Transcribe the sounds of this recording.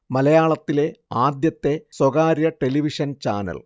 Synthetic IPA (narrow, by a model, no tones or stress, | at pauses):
mɐlɐjaːɭɐt̪ːile̞aːd̪jɐt̪ːe̞swɐɣaːɾjɐʈe̞liʋiʂɐnt͡ɕa̰ːnɐ̰l